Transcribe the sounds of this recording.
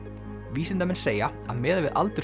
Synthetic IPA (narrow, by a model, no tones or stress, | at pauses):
viːsɪnt̪amɛnseːja | aðmɛːðavɪðʔa̰lt̪ʏɾ